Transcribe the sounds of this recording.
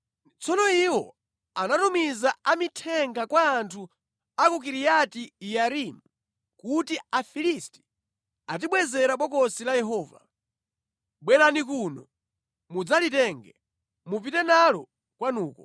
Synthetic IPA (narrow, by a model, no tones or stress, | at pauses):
t͡sɔnɔiwɔ | anatumizaamitʰɛŋɡakwaːntʰu | akuk̬iɾijatijaɾimu | kutiafilisti̥ | at̬iɓwɛzɛɾaɓwɔkɔsilajɛɦɔːva̰ | ɓwɛɾanik̬unɔ | mud͡zalitɛŋɡɛ | mupitɛnalɔ | kwanuːkɔ